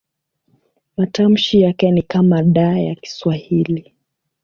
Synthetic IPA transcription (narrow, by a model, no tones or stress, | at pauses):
matam̩ʃijakɛnikamaɗaːja̰ki̥swahili